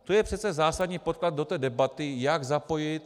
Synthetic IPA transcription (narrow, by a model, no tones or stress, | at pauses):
t̪ojɛpr̝̥ɛt̪t͡sɛzaːsad̪ɲiːpot̪̚klad̪̚do̞t̪ɛːdɛbat̪ɪjaɡzapo̞jɪt̪̚